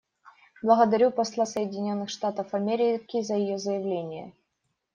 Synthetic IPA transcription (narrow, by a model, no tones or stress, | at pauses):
blˠəɣəd̪ɐɾʲupɐslˠasəjɪdʲɪnʲo̞nːɨxʂt̪at̪əfɐmʲeɾʲɪkʲɪzəjɪjozəjɪvlʲenʲɪjə̰